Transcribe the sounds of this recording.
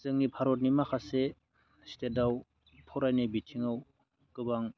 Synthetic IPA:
zɯŋnipʰaɾɔt̚nimaxʰase | stedaw | pʰɔɾajnibitʰiŋɯw | kɯbaŋ

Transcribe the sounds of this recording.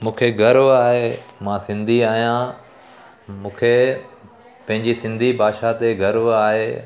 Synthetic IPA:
mũːkʰeɡʱɐɾʋaːɦemãsɪ̃nd̪ʱiaːɦijã | mũːkʰe | pɐ̃ɦɪ̃ɲd͡ʑisɪ̃nd̪ʱibʱaːʃat̪eɡʱɐɾʋaːɦeː

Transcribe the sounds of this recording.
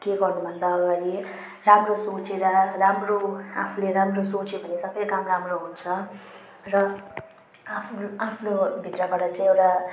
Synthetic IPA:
keɡʌrnubʱʌnd̪aːɡaɾi | ramrosot͡seɾʌramroa̰pʰuleɾamrosot͡sobʱʌnesʌbʌjkamramroɦunt͡sʰʌ | rʌ | apʰuapʰulobʱit̪rʌbaɽʌt͡saĩewʈa

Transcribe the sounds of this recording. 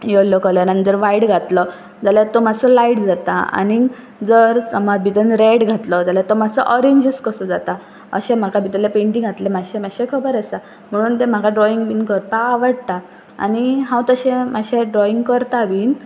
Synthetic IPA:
jolɔkəlanand͡z̪əɾʋaiɽɡʱat̪lɔ | d͡zaljat̪omasəlaiʈd͡zat̪a̰a̰ni | d͡zəɾsəmad̪bit̪ənɾeɽɡʱat̪lɔd͡zaljat̪omasəʔɔɾeɲd͡ʑəskəsɔd͡zat̪a | ə̰ɕɛ̃m̤akabʱit̪lepeɳʈiŋɡat̪lemaɕemaɕekʰəbəɾəsa | m̤əɽ̃uːnt̪ẽm̤akʰaɖɾɔiŋɡbiːnkəɾpaːʋəɽt̪a | a̰niɦãwt̪əɕẽmaɕeɖɾɔiŋɡkəɾt̪aʋiːn

